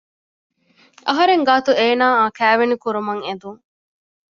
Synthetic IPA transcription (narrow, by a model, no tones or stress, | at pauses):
ʔɐɦɐɾeŋɡaːt̪ueːnaːaːkæːʋenikuɾumɐŋed̪uŋ